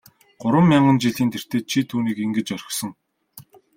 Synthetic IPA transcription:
ɢ̥ʊɾwə̆mːjaɴɢə̆nt͡ɕiɮiːnt̪ʰer̥t̪eːt͡ɕʰit̪ʰuːniːkeŋɡɘ̆t͡ɕɔr̆ʲχsɞ̆ŋ

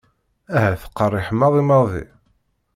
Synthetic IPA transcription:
æɦæθə̥qːərˤːɪħəmɑðˤimɑðḭ

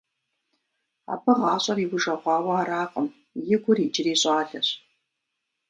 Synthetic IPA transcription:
a̰ːpʰɐʁɑːɕʼɐriːwʊʒɐʁʷɑːwɐaɾaːqʼəm | jɪɡʷʊriːd͡ʒɪriːɕʼaːɮɐɕ

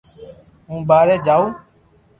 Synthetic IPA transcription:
ũbaːɾɛd͡ʒau

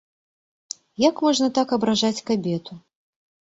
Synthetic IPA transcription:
jakmɔʐnɐt̪akɐbɾaʐat͡sʲkabʲɛt̪u

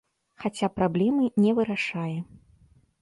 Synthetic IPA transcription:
xat͡sʲapɾablʲɛmɨnʲɛvɨɾaʂajɛ

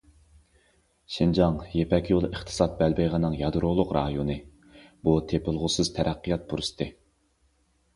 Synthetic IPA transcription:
ʃind͡ʒɑŋjepɛkʲjolˠəχt̪ʰɨ̥sɑt̪̚bælbejʁɑnɨŋjɑd̪ɾolˠʊqɾɑːjonɨ | b̥ut̪ʰepɪlˠʁʊsɨz̥t̪ʰæɾʔæqːijɑt̪̚buɾɨst̪ʰɨ

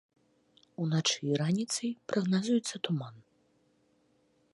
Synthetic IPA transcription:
unat͡ʂɨiɾanʲit̪sɐjpɾɐɣnazujɛt̪sːɐt̪uman

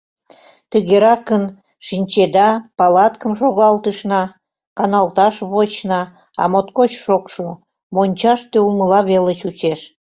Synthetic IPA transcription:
t̪əɣeɾɑkən | ʃinʲt͡ɕed̪ɑpɑlɑt̪kəmʃoɣɑlt̪əʃnɑ | kɑnɑlt̪ɑʃβot͡ɕnɑ | ɑ̰mot̪kot͡ɕʃokʃu | monʲt͡ɕɑʃt̪euməlɑβelət͡ɕut͡ɕeʃ

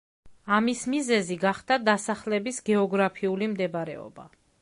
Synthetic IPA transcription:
amismizɛziɡaχd̪ad̪asaχlɛbisɡɛɔɡɾapʰiulimd̪ɛbɾɛ̰ɔ̰ba̰

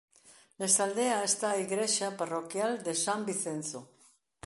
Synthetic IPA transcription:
nest̪ald̪eaest̪aiɣɾeʃaparokjald̪esambiθen̟θo

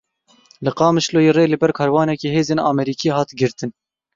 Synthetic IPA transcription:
lɨqɑːmɨʃloːjeːreːlɨbɛɾkʰɑːɾwɑːnɛkiːɦeːzeːnɑ̰ːmɛɾiːkʰiːhɑːt̪ɡɨɾt̪ɨn

